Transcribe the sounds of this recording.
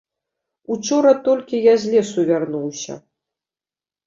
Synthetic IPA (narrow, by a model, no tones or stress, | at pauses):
ut͡ʂɔɾɐt̪ɔlʲkʲijazʲlʲɛsuvʲarnuwsʲɐ̰